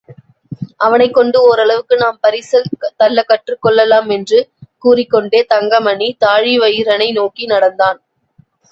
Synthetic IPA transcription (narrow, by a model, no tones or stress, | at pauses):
ʔɐʋɐnɐɪkːɔɳɖɯɔɾɐɭɐʋɯkːɯnaːmpɐɾɪsɐlt̪ɐlːɐkːɐʈrɯkːɔɭːɐlaːmɛndrɯkuːrɪkːɔɳɖeːt̪ɐŋɡɐmɐɳit̪aːɻiʋɐjɪɾɐnɐɪnoːkinɐɽɐnd̪aːn